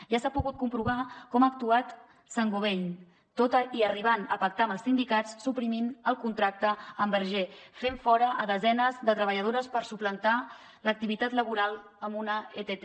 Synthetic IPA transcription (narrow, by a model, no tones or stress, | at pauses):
ʒasapuɣut̪̚kumpɾuβ̞akɔmaək̚t̪uat̪ | saŋɡoβeʎ | t̪ot̪əiəriβ̞anə̰pək̚t̪aməlˠsind̪ikat͡ssupɾiminəlˠkunt̪ɾak̚t̪əəmbəɾʒefeɱfɔɾəəðəzɛnəzðət̪ɾəβəʎəð̞oɾəspəɾsuplənt̪a | lək̚t̪iβit̪at̪ləβuɾalˠ | əmbunəet̪et̪e